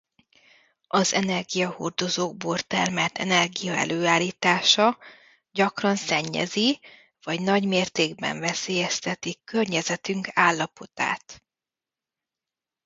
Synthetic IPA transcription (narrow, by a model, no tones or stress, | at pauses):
ʔɒzɛnɛrɡijɒho̰rd̪o̞zoːɡ̚bort̪ɛrmɛlt̪ʰɛ̰nɛrɡijɒɛ̰løːaːliːt̪aːʃɒ | ɟɒkrɒnsɛɲːɛ̰zi | vɒɟnɒɟmeːrt̪eːɡ̚bɛ̰ɱvɛseːjɛst̪ɛt̪ikørɲɛzɛt̪yŋkaːlːɒpo̞t̪a̰ːt̪